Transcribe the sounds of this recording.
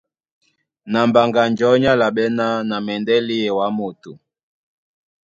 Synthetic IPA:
na˨mba˨ŋɡa˨nd͡ʒɔ˨˦ɲa˦la˨ɓɛ˦na˦na˨mɛ˨ndɛ˦li˦ɛ˨wa˨˦mo˨tu˨

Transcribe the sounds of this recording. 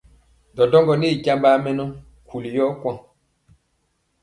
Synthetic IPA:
dɔ˨dɔ˦ŋɡɔ˨ni˦˨ɟa˦mbaː˦mɛ˦nɔ˦ | kʰu˨li˨jɔ˦kwã˦˨

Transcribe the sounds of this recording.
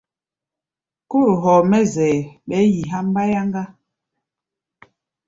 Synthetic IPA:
ko˦ɾo˨ɦɔ˨mɛ˦zɛː˨ɓɛ˨˦ji˨ɦa˦m˦ba˦ja˦ŋɡa˦

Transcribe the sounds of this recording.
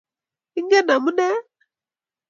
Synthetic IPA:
i˦ŋɡɛ˦na˨mu˦nɛ˦

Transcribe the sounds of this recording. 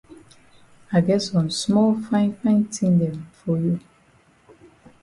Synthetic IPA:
a˨ɡɛ˦tsɔ̃˨nsmɔ˦lfã˦ɪ̃nfã˦ɪ̃ntʰĩ˦ndɛ̃˨mfɔ˨ju˨

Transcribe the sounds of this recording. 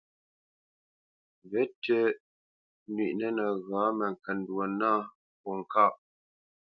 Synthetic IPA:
vɛ˨˦tə˦ | nɥi˨ʔnə˦nə˨ɣaː˨˦mə˨ŋ˨kɛ˨n˨dwə˨na˦ | pɔ˨ŋ˨ka˦˨ʔ

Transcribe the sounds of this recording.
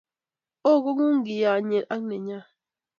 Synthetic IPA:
o˦˨ɣo˦ŋu˦ŋ˦ɡi˨ja˨ɲe˨ɾʔa˦ŋ˦ne˨ɲa˦

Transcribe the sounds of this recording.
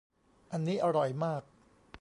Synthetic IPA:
ʔa˧nːiː˦˥ʔa˧ɾɔ˨˩jmaː˥˩k̚

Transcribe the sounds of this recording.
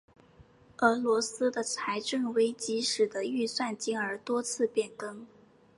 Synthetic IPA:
ə˧˥lwɔ˧˥sɹ̩˥d̪ə˨t͡sʰa˧˥ɪʈ͡ʂə˥˩ŋwe˥ɪt͡ɕi˧˥ʂɻ̩˨˩d̪ə˦y˥˧swa˥˩nt͡ɕi˥ŋə˞˧˥t̪wɔ˥t͡sʰɹ̩˥˧pjɛ˥˩nkɤ˥ŋ

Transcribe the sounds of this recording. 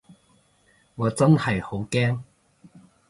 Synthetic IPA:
ŋɔː˨˧t͡sɐ˥nhɐ˨jho˨˥wkɛː˥ŋ

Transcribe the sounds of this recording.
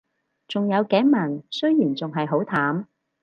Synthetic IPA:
t͡sʊ˨ŋjɐ˨˧wkɛː˨˥jmɐ˨˩nsɵ˥ɥjiː˨˩nt͡sʊ˨ŋɦɐ˨jɦo˨˥wt̪ʰaː˨˥m

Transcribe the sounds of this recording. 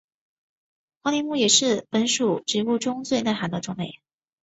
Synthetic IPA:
xɑ˥lɛ˧˥nmu˥˩jɛ˨˩ʂɻ̩˥˩pə˧˥nʂu˨˩ʈ͡ʂɻ̩˧˥u˥˧˩ʈ͡ʂʊ˥ŋt͡swe˥˧ɪna˥˩ɪxa˧˥nd̪ə˧ʈ͡ʂʊ˥ŋmḛ˨˩ɪ

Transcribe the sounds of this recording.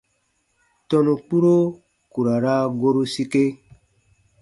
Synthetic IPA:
tɔ˦nu˨k͡pu˦ɾo˦ | ku˨ɾa˨ɾa˦ɡo˦ɾu˦si˦ke˦

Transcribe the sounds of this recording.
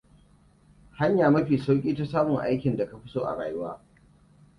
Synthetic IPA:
ha˦ɲjaː˨mɐ˦ɸiː˨sa˦wkʲʼiː˦ta˦saː˦mʊ˨ŋʔa̰˦jkʲɪ˨nda˨ka˨ɸɪ˦soː˦ʔa̰˨ɽa̰ː˨jʊ˦waː˦

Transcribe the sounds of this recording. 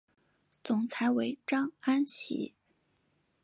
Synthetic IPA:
t͡sʊ˨˩ŋt͡sʰa˧˥ɪwe˧˥ɪʈ͡ʂɑ˥ŋa˥nɕḭ˧˥

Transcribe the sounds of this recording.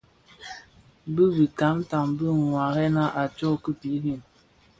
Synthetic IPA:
bə˦bi˨ka˨˦mta˨mbə˦˨ŋwa˨ɣɛ˦na˦ʔa˨t͡ʃɔ˦kə˦pi˨˦ɣi˦˨n

